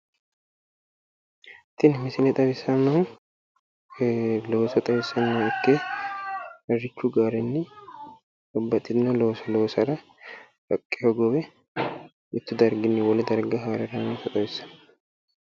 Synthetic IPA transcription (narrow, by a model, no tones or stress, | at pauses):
t̪ːɪnmɪsɪnɛt̪ʼɐβɪsːɐnːɐw | loːsɐt̪ʼɐβɪsːɐnːɐwɪkːeː | ɐrːɪt͡ʃːʊɡaːɾɛnːɪ | ʔɔbːɐt̪ʼːɪd̪ɪnɐloːsɐloːsɐɾɐ | ɾɐkʼːɪjoɡɔwɛ | ɪt̪ːʊd̪ɐɾɡɪnːɪwɔlɛd̪ɐɾɡɐɦaːɾɛɾɐnoːsɐt̪ʼɐβɪsːɐn